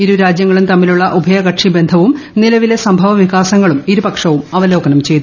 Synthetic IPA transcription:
iɾuɾaːd͡ʑjɐŋːɐɭunt̪ɐmːiluɭːɐʔubʱɐjɐɡɐʈʂibe̞nd̪ʱɐʋumnilɐʋile̞sɐmbʱɐʋɐʋiɣaːsɐŋːɐɭumiɾupɐkʂɐʋumɐʋɐlo̞ːkɐnɐmt͡ɕe̞jt̪u

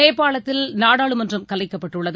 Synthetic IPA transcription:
eːpːaːɭɐt̪ːɪlnaːɽaːɭɯmɐndrɯmkɐlɐɪkːɐpːɐʈːɯɭːɐð

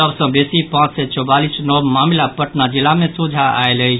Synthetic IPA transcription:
əbsə̃besipãt͡ʃsɛt͡ʃɔbalisnɔmamilapəʈnad͡ʒilamẽsud͡ʒʱaa̰eləɦi

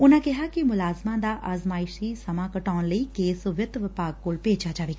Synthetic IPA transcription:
ʊnãːkɪɦaːkɪmʊlaːzmãːd̪aːʔʔaːzmaːɪʃiːsəmãːkəʈaːnləiːkeːsʋɪt̪ʋɪpaːɡ̚koːlpeːd͡ʒaːd͡ʒaːʋeːɡa

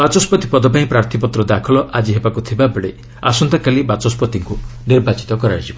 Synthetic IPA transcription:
bat͡ʃɔspɔt̪ipɔd̪ɔpaĩpɾaɾt̪ʰipɔt̪ɾɔd̪akʰɔlɔʔad͡ʒiɦebakut̪ʰibabeɽe | a̰sɔnt̪akalibat͡ʃɔspɔt̪iŋkuniɾbat͡ʃi̥t̪ɔkɔɾad͡ʒibɔ

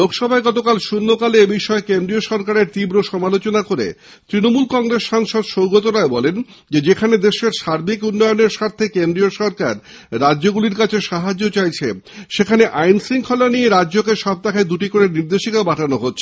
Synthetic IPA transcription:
lokʰʃɔbʱaeɡɔt̪okalʃunːokaleebiʃɔekend̪ɾioʃɔɾkaɾeɾt̪ibɾoʃɔmalot͡ɕonakoɾḛ | t̪ɾinomulkɔŋɾesʃaŋʃod̪ʃowɡot̪oɾaebɔlen | d͡ʑed͡ʑekʰaned̪eʃeɾʃaɾbikunːɔjoneɾʃaɾt̪ʰekend̪ɾioʃɔɾkaɾːadːd͡ʑoɡuliɾkat͡ɕʰeʃaɦad͡ʑːot͡ɕajt͡ɕʰḛʃekʰaneʔajnsiŋkʰolanieɾadːd͡ʑokeʃɔb̚t̪akʰad̪uʈikoɾeɾniɾd̪eʃikaobaʈʰanoɦotːɕʰe

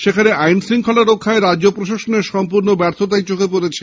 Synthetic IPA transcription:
ʃekʰaneʔajnsɾiŋkʰolaɾokʰːaeɾad͡ʑd͡ʑopɾoʃaʃoneɾʃɔmpuɾnobɛɾt̪ʰot̪ajt͡ɕokepoɾet͡ɕʰe

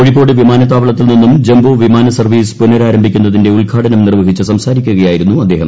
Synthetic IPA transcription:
oɻipːo̞ːɽɨʋimaːnɐt̪aːʋɐɭɐt̪ːilninːumd͡ʑembʱoːʋimaːnɐsɐrʋiːspunɐɾaːɾɐmbʱikʲːunːɐðinde̞ulkʰaːɽɐnɐmnirʋɐɦit͡ɕːɨsɐmsaːɾikʲːuɣɐjaːjiɾunːuɐd̪ːe̞ːɦɐ̰m

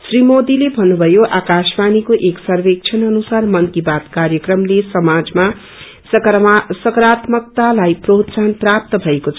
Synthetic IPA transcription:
srimod̪ilebʱʌnːubʱʌjoʔakasmanikoʔeksʌrbek̚t͡sʰʌnʌnusarmʌnkibat̪karjʌkrʌmlesʌmad͡zma | sʌkɾat̪mʌk̚t̪alajprot̪sanprap̚t̪ʌbʱʌekot͡sʰ

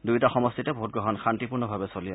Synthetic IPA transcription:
dujtaxɔmɔstitɛboɦut̚ɡɹɔɦɔnxantipuɹnɔbʱabɛsolija

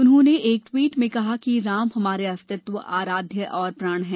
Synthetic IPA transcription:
ʊnɦõneʔeːk̚ʈwiːʈmẽkɐɦakiɾaːmɦɐmaːɾeɐst̪ɪt̪ʋəʔaːɾaːd̪ʱjəʔɔːɾpɾaːɽ̃ɦɛ̃ː

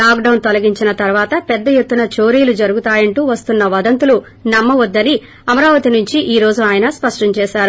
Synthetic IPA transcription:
laːk̚ɖɐwnt̪ɔlɐɡiɲt͡ʃinɐt̪ɐɾʋaːt̪ɐpɛd̪ːɐjet̪ːunɐt͡ʃo̞ːɾijlud͡ʒɐɾuɡut̪aːjɐɳʈuːʋɐst̪unːɐʋɐd̪ɐnt̪ulu | nɐmːɐʋɐd̪ːɐni | ɐmɐɾaːʋɐt̪inuɲt͡ʃiʔiːɾo̞ːd͡ʒuaːjɐnɐspɐʂʈɐɲt͡ʃɛːʃaːɾu

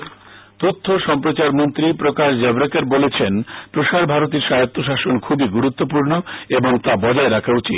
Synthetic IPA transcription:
t̪ot̪ʰːoʃɔmpɾot͡ɕaɾmont̪ɾipɾokaʃd͡ʑɛbɾekeɾbolet͡ɕʰenpɾoʃaɾbʱaɾot̪̬iɾʃajot̪ːoʃ̬aʃonkʰubiɡuɾut̪ːop̬uɾnoeboŋt̪abɔd͡ʑaeɾakʰaut͡ɕit̪

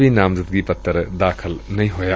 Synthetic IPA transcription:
binamzɐt̪̚ɡipɐt̪ːɐɾɐdakʰɐlnɐjɦoja

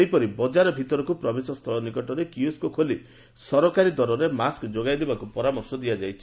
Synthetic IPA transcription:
ejpɔɾibɔd͡ʒaɾɔbʱit̪ɔɾɔkupɾɔbesɔst̪ʰɔlɔnikɔʈɔɾekiuskukʰoli | sɔɾɔkaɾid̪ɔɾɔɾemaskd͡ʒoɡajd̪ebakupɔɾamɔɾsɔd̪iad͡ʒajt͡ʃʰi

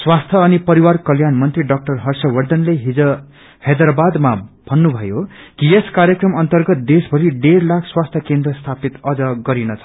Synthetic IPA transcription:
swast̪ʰʌːnipʌɾiwarkʌljanmʌnt̪riɖʌk̚ʈʌrɦʌrsʌwʌrd̪ʌnleɦid͡zʌ | hed̪rabad̪mab̥ʱʌnːubʱʌjokijeskaɾjʌkrʌmʌnt̪ʌrɡʌt̪̚d̪esbʱʌɾiɖeɾlakʰswast̪ʰjʌkend̪rʌst̪ʰapit̪ʌd͡zʌɡʌɾinʌt͡sʰʌ̥

